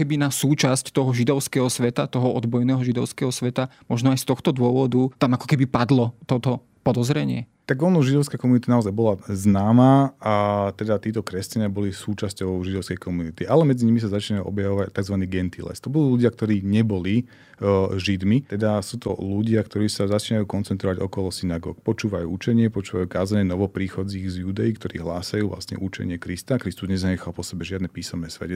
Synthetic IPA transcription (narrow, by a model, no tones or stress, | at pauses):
kɛbinasuːt͡ʃasct̪ɔɦɔʒid̪ɔʊskɛːɦɔsʋɛt̪at̪ɔɦɔɔd̪bɔjnɛːɦɔʒid̪ɔʊskɛːɦɔsʋɛt̪amɔʒnɔajst̪ɔxt̪ɔd̪ʊɔʋɔd̪ut̪amakɔ̥kɛbipad̪lɔt̪ɔt̪ɔ | pɔd̪ɔzɾɛɲɪɛt̪aɡɔnɔʒid̪ɔʊskaːkɔmunit̪inaɔzajbɔlaznaːmaːat̪ɛd̪at̪iːt̪ɔkɾɛscaɲɪabɔlisuːt͡ʃascɔʊʒid̪ɔʊskɛjkʰɔmunit̪iʔalɛmɛd͡ziɲimisazat͡ʃinajuʔɔ̰bjaʋɔʋact̪aɡzʋaniːɡɛnt̪ilɛ̰st̪ɔbud̪uːluɟɪak̚t̪ɔɾiːɲɛbɔli | ʒid̪mit̪ɛd̪asuːt̪ɔ̰luɟɪakt̪ɔɾiːsazat͡ʃiːnajuːkɔnt͡sɛnt̪ɾɔʋaɟɔkɔlɔsinaɡɔ̰ːkpɔt͡ʃuːʋajṵːut͡ʃɛɲɪɛpɔt͡ʃuːʋajuːkaːzaɲɛnɔʋɔpɾiːxɔd͡ziːɣzjud̪ɛjikt̪ɔɾḭːɦlaːsajuːvla̰sɲɛ̰ʔut͡ʃɛ̰ɲɪɛkɾist̪akɾist̪uzɲɛzaɲɛxalˠpɔsɛbɛʒɪad̪nɛpiːsɔmnɛːsʋɛ̰cɛ